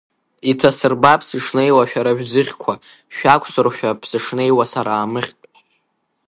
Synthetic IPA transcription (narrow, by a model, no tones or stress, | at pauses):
itʰasɨrbapʰsɨʂne̞jwaʃᶣaɾaʒᶣzɨχʲkʷʰa | ʃᶣakʷʰʼsɨrʃᶣapʰsɨʂne̞jwasaɾaːmɨχʲtʼ